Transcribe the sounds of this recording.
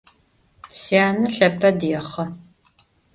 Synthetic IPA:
siaːnɨɬɐpʰɐdjɛχɐ

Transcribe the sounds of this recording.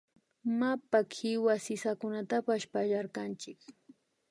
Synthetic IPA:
mapakʰɪwasɪsakʊnat̪apaspaʒaɾkant͡ʃɪk

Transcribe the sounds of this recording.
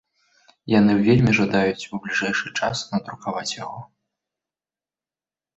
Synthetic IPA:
janɨwvʲelʲmʲiʐad̪ajut͡sʲublʲiʐɛjʂɨt͡ʂasnɐd̪ɾukavat͡sʲjaɣɔ

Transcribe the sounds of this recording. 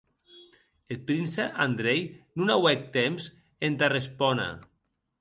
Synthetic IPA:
et̪̚pɾinsaʔand̪ɾejnunawɛk̚t̪ems | ent̪arespɔna̰

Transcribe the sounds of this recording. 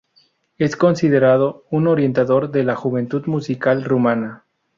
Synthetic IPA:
e̞sko̞nsiðe̞ɾaðo̞uno̞ɾje̞nt̪aðo̞ɾðe̞laxuβe̞nt̪uðmusikalrumana

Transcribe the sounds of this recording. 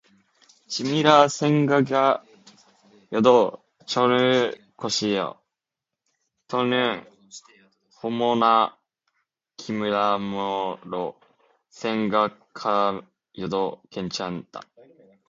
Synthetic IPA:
t͡ɕimiɾasẽŋɡaɡa | jod̪o | t͡ɕoɾɯ | koɕijo̰ | t̪ʰonɯ | homona | kʲʰimɯ̟ɾamoɾo | sẽŋɡakʰa | jod̪okẽɲt͡ɕãnt̪a̰

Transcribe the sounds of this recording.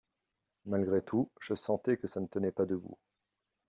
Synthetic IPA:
malɡʁet̪ʰuʒ̥əsɑ̃t̪ɛkəsanət̪ənɛpad̪əbṵ

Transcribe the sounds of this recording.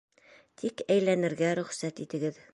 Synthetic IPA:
t̪ʰikæjlænɘ̆ɾɡæɾɵ̆χsæt̪it̪ɘ̆ɡɘð

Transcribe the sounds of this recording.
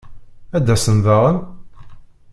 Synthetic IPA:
æd̪ːæsənvaʁən

